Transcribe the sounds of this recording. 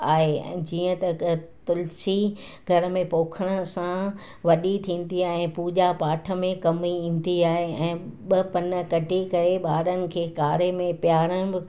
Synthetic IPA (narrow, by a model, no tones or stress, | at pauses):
aːɦḛ̃d͡ʑiːə̃t̪ɐt̪ʊlsi | ɡʱɐɾə̆mẽpoːkʰəɽ̃sã | ʋɐɗit̪ʰĩːn̆d̪iaːɦɪ̃puːʄapaːʈʰə̆mẽkɐmiĩːn̆d̪iaːɦeɛ̃ːɓɐpɐnə̆kɐʈikɐɾeɓaːɾənɪ̆kʰeːkaːɾemẽpjaːɾəɽ̃bɪ